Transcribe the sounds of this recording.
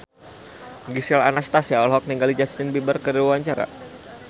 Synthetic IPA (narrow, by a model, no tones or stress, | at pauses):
ɡisɛla̰nast̪asiaɔlɦɔk̚niŋɡalid͡ʒast̪ɪnbibərkədiwuwaɲt͡ʃaɾa̰